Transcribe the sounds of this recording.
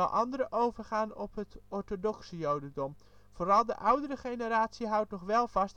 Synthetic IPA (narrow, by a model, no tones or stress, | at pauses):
ɑlˠʔɑ̰ndəɾəʔowvəɹχaːnɔpɦətɔɹtodɔksəjowdədɔm | v̥oːrɑlˠdəʔʌwdəɾəχejnəɾaːtsiɦʌwtnɔχʋɛlˠvɑst